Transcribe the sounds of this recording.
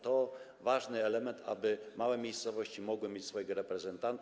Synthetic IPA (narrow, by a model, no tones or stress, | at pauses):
t̪ɔ | vaʐnɘɛlɛmɛnt̪ʰa̰bɘmawɛmʲejst̪sɔvɔɕt͡ɕimɔɡwɘmʲjet͡ɕʲsfɔjɛɡɔɾɛpɾɛzɛnt̪ant̪